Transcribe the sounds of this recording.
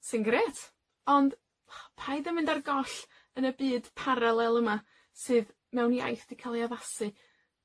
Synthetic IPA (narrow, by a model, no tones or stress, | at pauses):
sɪnɡɾɛtʰ | ɔnd | pʰajðɛmɪndarɡɔɬ | ənəbɨːd̥pʰaɾalˠɛlˠəma | sɨːð | mɛwnja̰jθd̥ikʰalˠiaðasɨ